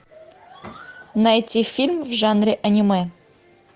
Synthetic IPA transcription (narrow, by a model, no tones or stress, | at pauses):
najt̪ʲifʲilʲmvʐanɾʲeʔɐnʲimɛ